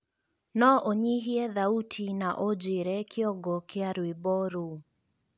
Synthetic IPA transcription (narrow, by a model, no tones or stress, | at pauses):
nɔʔoɲiɦiɛðautʰinaʔod͡ʒeɾɛkʰɔɡɔkeaɾwibɔɾu